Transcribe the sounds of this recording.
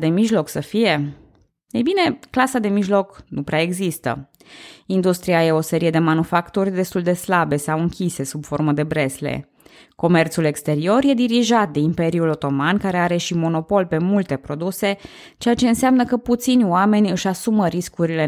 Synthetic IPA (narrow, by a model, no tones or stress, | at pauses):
d̪e̞miʒlo̞ksəfije̞ | ejbine̞klasad̪e̞miʒlo̞knupɾeae̞ɡzist̪ə̰ | ind̪ust̪ɾiaje̞o̞se̞ɾije̞d̪e̞manufakt̪urʲd̪e̞st̪uld̪e̞slabe̞sawɨŋkʲise̞subforməd̪e̞bɾe̞slḛ | ko̞me̞rt̪sule̞kst̪e̞ɾio̞rje̞d̪iɾiʒat̪̚d̪e̞impe̞ɾiulo̞t̪o̞mankaɾe̞aɾe̞ʃimo̞no̞po̞lpe̞mult̪e̞pɾo̞d̪use̞ | t͡ʃe̞jat͡ʃe̞ɨnseamnəkəput̪sinʲowame̞nʲɨʃasuməɾiskuɾile